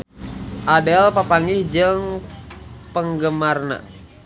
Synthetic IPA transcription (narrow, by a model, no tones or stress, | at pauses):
ʔadɛlpapaŋihd͡ʒɨŋ | pəŋɡəmarna̰